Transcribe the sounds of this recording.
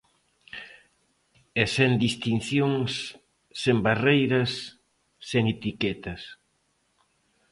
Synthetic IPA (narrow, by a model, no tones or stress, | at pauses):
esend̪ist̪in̟θjoŋsː | embarejɾɐsː | eŋet̪ikɛt̪ɐs